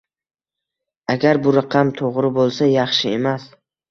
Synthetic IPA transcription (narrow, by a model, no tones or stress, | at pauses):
aɡʲaɾbʊɾaqʰɑmt̪ʰoʁɾɪbolˠsajɑχʃɪe̞mas